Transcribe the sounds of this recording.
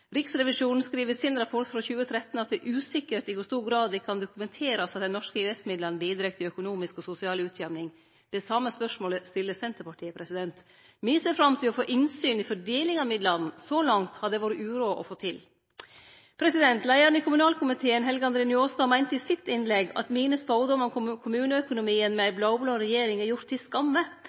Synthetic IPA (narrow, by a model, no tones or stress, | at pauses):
ɾɪksɾɛʋɪʂuːnn̩skɾiːʋəsɪnɾɑpʰɔʈfɾɔçʉːət̪ʰɾɛt̪n̩ɑt̪̚d̪ɛʔʉːsɪkəʈɪkʊst̪uːɾɡɾɑːd̪d̪ɛkʰɑnd̪ʊkʉmɛnt̪ʰeːɾɑsɑt̪̚d̪ɛnːɔʂkəiɛsmɪd̪lənbiːd̪ɾɛk̚t̪ʰɪœkʊnuːmɪskɔsʊsɪɑːlʉːt̪ʰjɛmnɪŋ | d̪̥ɛsɑmːəspœʂmoːləst̪ɪlːəsɛnt̪əɾpɑʈʰiːəpʰɾɛsɪd̪ɛnt̪ | miːsæfɾɑmt̪ʰɪlɔfoːʔɪnsyːnɪfɔɖeːlɪŋɑmɪd̪lɑnn̩sɔlɑŋt̪hɑd̪ɛʋoːɾəʉːɾuːʔɔ̰foːt̪ʰɪl | pʰɾɛsɪd̪ɛnt̪læɪæɾn̩ɪkʰʊmʉnɑːlkʰʊmɪt̪ʰeːənɦɛlɡəɑnd̪ɾeːnʏoːst̪ɑmæɪnt̪əɪsɪt̪ɪnlɛɡɑ̰t̪miːnəsfɑʊd̪ɔmɔnkʰʊmʉːnəœkʊnʊmiːənmɛæɪblɑʊbloːɾɛjeːɾɪŋæɾjʊɾt̪ʰːɪskɑmːə